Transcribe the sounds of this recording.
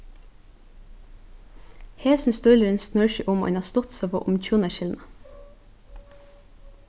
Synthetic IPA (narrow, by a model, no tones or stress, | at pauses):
heːsn̩st̪ʉləɾɛnsnœɹʃiʔʊmo̰ʔɛ̰nɑst̪ɔt̪sæːpʰo̰ːʔʊmc͡çuːnəʃɪlnə